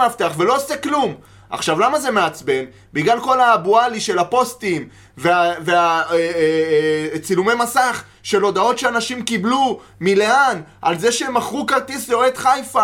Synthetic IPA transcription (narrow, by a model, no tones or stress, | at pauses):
aft̪eaχve̞lo̞oseklum | ʔa̰χʃavlamaze̞meat͡sbe̞n | biɡlalko̞labualiʃe̞lapo̞stim | veavea | t͡silume̞jmasaχ | ʃe̞lo̞d̪ao̞tʃeanaʃimkiblu | mileanʔalzeʃemaχʁukalt̪isloed̪χajfa